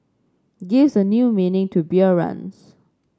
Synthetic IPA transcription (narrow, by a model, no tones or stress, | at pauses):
ɡɪvsənjuminɪ̃ŋtʰubiəɹã̰ns